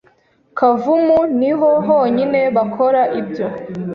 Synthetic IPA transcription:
kʰavumuniɦoɦo̞ːɲine̞βakʰo̞ɾaʔibɟo

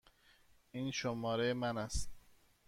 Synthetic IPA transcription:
iːnʃomɒːɾemænæst̪

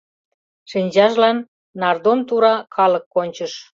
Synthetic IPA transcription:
ʃinʲd͡ʑɑʒlɑnː | ɑrd̪omt̪uɾɑkʰɑlɤ̆kːonʲt͡ɕəʃ

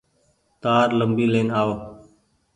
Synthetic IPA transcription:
t̪aːɾləmbiːleːnaːoː

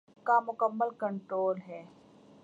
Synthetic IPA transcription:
kamʊkəmːəlkəɳʈɾoːlɦɛː

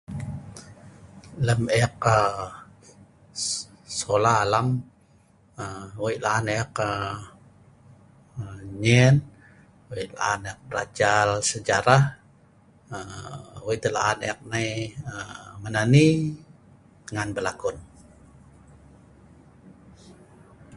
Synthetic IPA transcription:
ləmɛk̚ə | solaːlam | əwoiʔlaːnekə | ɲɛn | wila̰aneak̚bəɾa̰d͡ʒalsəd͡ʒaɾah | əwoiʔt̪əla̰aneak̚najəmənani | təŋanbəlakʊn

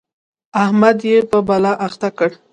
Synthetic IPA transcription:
ahmad̪jepəbalaʔaxt̪akəɽ

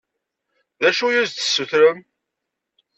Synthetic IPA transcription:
ðæʃujuzθə̥sːuθɾəm

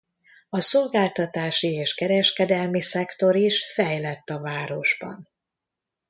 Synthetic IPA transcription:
ɒso̞lɡaːlt̪ɒt̪aːʃieːʃkɛɾɛʃkɛd̪ɛlmisɛkt̪o̞ɾiʃfɛjlɛt̪ːɒvaːɾo̞ʒbɒ̰n

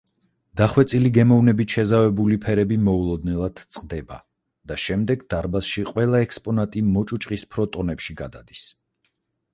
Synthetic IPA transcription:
d̪̥aχwɛt̪sʼiliɡɛmɔvnɛbit̪ʃɛzavɛbulipʰɛɾɛbimɔulˠɔd̪nɛlˠad̪̥t̪sʼqʼd̪ɛba̰ | d̪̥aʃɛmd̪ɛɡd̪̥aɾbasʃiqʼwɛlˠaɛkspʼɔnat̪ʼimɔt͡ʃʼut͡ʃʼqʼispʰɾɔt̪ʼɔnɛpʃiɡad̪a̰d̪̥is

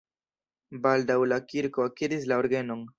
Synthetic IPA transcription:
baldawlakiɾko̞akidis̬laoɾɡeno̞n

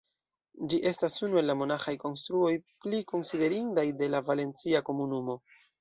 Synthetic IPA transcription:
d͡ʒiʔe̞stasunue̞lːamo̞naxajko̞nstɾuo̞jpliko̞nside̞ɾindajde̞lavale̞nt͡siako̞munumo̞

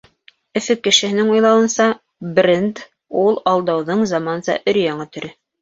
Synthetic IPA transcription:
ɵ̆fɘkːɘ̆ʃɘ̆hɘ̆nɘŋujlˠɑwɤ̆nsɑ | brʲend̪ | ulˠɑlˠd̪ɑwðɤɴzɑmɑnzɑ̰ʔɵ̆ɾjɑŋɑt̪ɵ̆ɾɘ

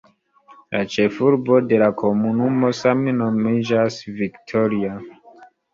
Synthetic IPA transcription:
lat͡ʃe̞fuɾbo̞de̞lakʰo̞munumo̞samno̞mid͡ʒasviktʰo̞ɾia

